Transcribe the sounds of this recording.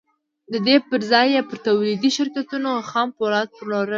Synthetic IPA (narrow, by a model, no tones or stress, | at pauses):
d̪əd̪epəɾzɑjepəɾt̪awlid̪iʃɪɾkat̪unoxɑmpolɑt̪̚pəɾloɾə